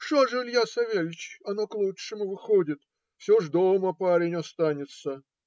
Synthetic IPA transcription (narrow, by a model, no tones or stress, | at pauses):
ʂoʐɨlʲjasɐvʲelʲt͡ɕɐnoklˠuʂɨmʊvɨxodʲɪt̪ | fsʲoʐd̪oməpaɾʲɪnʲɐst̪anʲɪt̪sə